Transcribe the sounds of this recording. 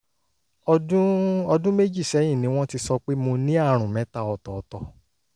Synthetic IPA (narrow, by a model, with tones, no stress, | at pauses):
ɔ˧dũ˦ɔ˧dũ˦me˦d͡ʒi˦˨sɛ˨˦j̃ĩ˦˨nĩ˧˦w̃ɔ̃˦ti˧sɔ˧k͡pe˦mo˧nĩ˦a˦˨ɾ̃ũ˨mɛ̃˨˦ta˦˨ɔ˨tɔ˨ɔ˧˦tɔ˧